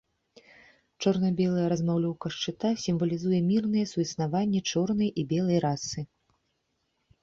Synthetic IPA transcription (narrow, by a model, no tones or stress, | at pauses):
t͡ʂɔrnɐbʲɛlˠɐjɐɾɐzmawlʲɔwkɐʂt͡ʂɨt̪asʲimvɐlʲizujɛmʲirnɨjɛsujsnavanʲːɛt͡ʂɔrn̪ɐjʔibʲɛlˠɐjɾasɨ